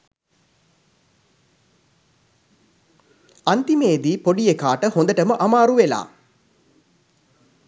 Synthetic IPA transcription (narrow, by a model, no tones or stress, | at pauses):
ant̪imeːd̪iːpoɖijekaːʈəhond̪əʈəməʔamaːɾuʋela̰ː